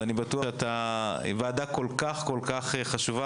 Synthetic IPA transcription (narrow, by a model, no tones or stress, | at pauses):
anibatuaat̪aḭvaːd̪ako̞lkaχkolkaχeχaʃuva